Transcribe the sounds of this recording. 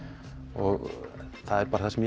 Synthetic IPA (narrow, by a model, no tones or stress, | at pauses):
ɔɣθaðɛɾpaːɾaθasɛmj